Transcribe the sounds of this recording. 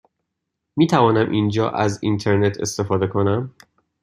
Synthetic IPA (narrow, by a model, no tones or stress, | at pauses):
miːt̪ʰævɒːnæmʔind͡ʒɒːʔæzḭnt̪ʰe̞ɾnet̪ʰe̞̰st̪e̞fɒːd̪e̞kʰo̞næm